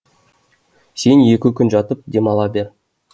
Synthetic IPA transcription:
se̞nje̞kʲɪkʲʏnʒɑt̪əp̚d̪e̞mɑlˠɑbe̞ɾ

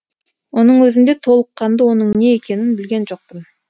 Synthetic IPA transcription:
wo̞nəɴwɵzɪnd̪e̞t̪ʰo̞lˠəqːɑnd̪əwo̞nəɴne̞ekʲe̞nɪnbɪlɡʲe̞nʒo̞q̚pən

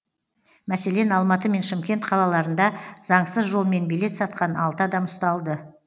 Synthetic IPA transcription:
mæse̞le̞nɑlˠmɑt̪əme̞nʃɪmkʲe̞nt̪qʰɑlˠɑlˠɑɾənd̪ɑzɑɴsəzʒo̞lˠme̞nbile̞t̪sɑt̪̚qɑnɑlˠt̪əɑd̪ɑmʊst̪ɑlˠd̪ə

